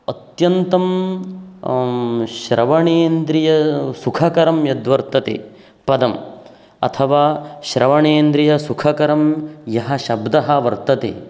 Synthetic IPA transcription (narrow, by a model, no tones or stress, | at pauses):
ɐt̪jɐnt̪ɐm | ʃɾɐʋɐɳeːnd̪ɾijɐsukʰɐkɐɾɐmjɐd̪ʋɐɾt̪ɐt̪ḛ | pɐd̪ɐm | ɐ̰t̪ʰɐʋaːʃɾɐʋɐɳeːnd̪ɾijɐsukʰɐkɐɾɐmjɐɦɐʃɐbd̪ɐɦɐʋɐɾt̪ɐt̪ḛ